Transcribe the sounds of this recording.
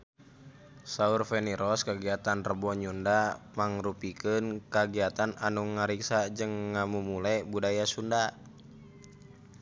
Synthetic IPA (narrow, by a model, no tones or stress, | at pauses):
saurfɛniɾɔskaɡiat̪anrəbɔɲundamaŋrupikənkaɡiat̪ananuŋaɾiksad͡ʒɨŋːamumulɛbudajasunda